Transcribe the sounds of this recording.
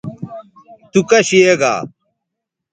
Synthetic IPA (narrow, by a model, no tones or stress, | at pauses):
t̪ukɐɕieɡa̰ː